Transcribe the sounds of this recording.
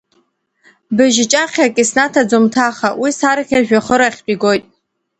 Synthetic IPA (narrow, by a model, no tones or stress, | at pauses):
bɨʒɪt͡ʃʼaχʲakʼisnatʰad͡zomtʰaχawisaɾakʲʰaʒᶣaχəɾaχʲt͡pʼiɡo̞jtʼ